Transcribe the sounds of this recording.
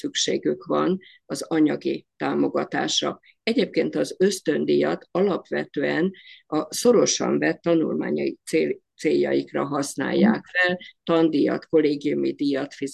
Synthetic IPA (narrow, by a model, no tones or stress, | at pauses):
sykʃḛːɡykʋɒn | ɒzɒɲɒɡit̪aːmo̞ɡɒt̪a̰ːʃɒ̰ | ɛɟeːp̚keːnt̪ɒzø̞st̪ø̞nd̪ijɒt̪ɒlɒpʋɛt̪øːɛnɒso̞ɾo̞ʃɒ̰ɱvɛt̪ːɒnulmaːɲɒjit̪seːt̪seːjːɒ̰jikrɒɦɒsna̰ːjːaːkfɛlt̪ɒnd̪ijɒt̪ko̞leːɡijumid̪ijɒt̪fiz